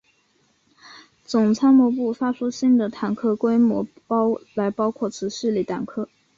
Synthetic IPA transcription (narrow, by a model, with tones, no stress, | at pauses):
t͡sʊ˨˩ŋt͡sʰa˥nmɔ˧˥pu˥˩fa˥ʂu˥ɕi˥˩ŋd̪ə˩t̪ʰa˧˥nkʰɤ˥kwe˥ɪmwɔ̰˧˥ | pɑ˥ʊla˧˥ɪpɑ˥ʊkʰwɔ˥˩t͡sʰɹ̩˧˥ʂɻ̩˥˧li˨˩t̪a˨˩nkʰɤ˥